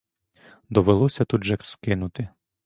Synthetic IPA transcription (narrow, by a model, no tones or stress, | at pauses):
d̪ɔʋelˠɔsʲɐt̪ud̪ʒɛkskɪnʊt̪ɪ